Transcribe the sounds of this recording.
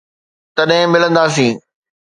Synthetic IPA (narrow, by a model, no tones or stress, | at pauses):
t̪ɐɗɦɪ̃mɪlə̃nd̪aːs̬ĩː